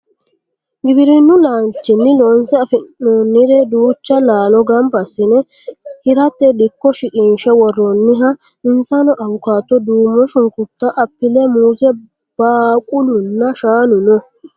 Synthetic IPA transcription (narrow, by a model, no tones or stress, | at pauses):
ɡɪbɪɾɪnːʊlaːnt͡ʃːɪnːɪloːnsɛɐfɪoːnːɪɾɛd̪uːt͡ʃːɐlaːlɔɡɐmbɐsɪnɛhɪɾɐt̪ːɛd̪ɪkːɔʃɪkʼiːnʃɛwɔrːɔnːɪɦɐɪnsɐnɔʔɐwʊkaːt̪ːɔd̪uːmːɔʃʊŋkʊt̪ːɐʔɐpːɪlɛmuːsɛ | b̥aːkʼʊlʊnːɐʃaːnʊnɔ